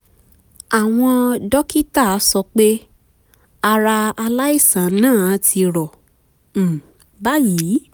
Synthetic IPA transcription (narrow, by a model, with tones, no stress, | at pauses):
a˨w̃ɔ̃˧dɔ˦ki˦ta˦˨˦sɔ˧k͡pe˦ | a˧ɾa˧a˧la˦i˦˨sã˨˦nãː˦˨˦tʰi˧ɾɔ˨ | ba˦ji˨˦